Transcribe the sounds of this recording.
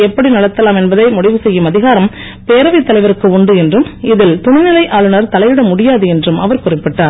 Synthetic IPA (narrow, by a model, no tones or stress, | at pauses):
ɛpːɐɽinɐɭɐt̪ːɐlaːmɛnbɐðɐɪmʊɽɪʋɯsɛjːɯmɐðɪɣaːɾɐm | peːɾɐʋɪt̪ːɐlɐɪʋɐɾɯkːɯʊɳɖɯɛndrɯmɪðɪlt̪ʊnɪnɪlɐɪʔaːɭɯnɐɾt̪ɐlɐɪʋɪɽɐmʊɽɪjaːðɯɛndrɯmʔɐʋɐɾkʊrɪpːɪʈːaːɾ